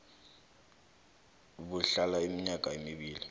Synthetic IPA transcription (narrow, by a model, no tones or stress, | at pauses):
buɬalaimiɲakʼaemiɓiːli